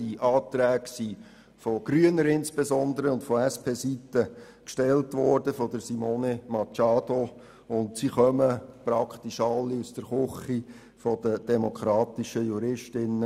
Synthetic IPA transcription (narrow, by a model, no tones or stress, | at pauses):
iʔɑːt̪ɾæːɡsi | foɡ̥ɾyənəɾɪnspesɔnd̪əɾəʊntfɔɛspʰeːsitə | kʃtɛltʋɔːrd̥əfɔd̥əsimoːnemɑt͡ʃɑːd̥o | ʊntsiχœməpɾɑkχt̪iʃɑlːiusd̥əɾχʊχi | fɔdəd̥ɛmokʰɾɑːt̪iʃəjuɾɪʃtɪnːə